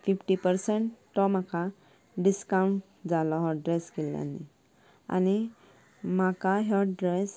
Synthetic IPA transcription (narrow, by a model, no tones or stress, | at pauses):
fifʈipəɾseɳʈt̪ɔmaka | ɖiskauɳʈ | d͡zalɔɦɔɖɾeskelja̰nːḭ | a̰ni | makaɦɔɖɾes